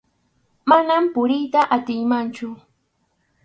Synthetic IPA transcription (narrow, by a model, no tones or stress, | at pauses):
manampʊɾɪjt̪aʔat̪ɪjmant͡ʃʊ